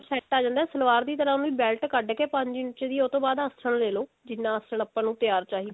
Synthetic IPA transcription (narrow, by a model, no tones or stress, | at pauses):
sɛːʈːaːd͡ʒãːnd̪aɛːsəlʋaːɾd̪iːt̪əɾaːnũiːbɛːlʈkəɖkeːpə̃ɲd͡ʒiːnɪt͡ʃeːd̪iːot̪õːbaːd̪əstʰəɳleːloː | d͡ʒɪnːãːəsəɳ̃əpːãːnũːt̪ɪjaːɾt͡ʃaːɦiː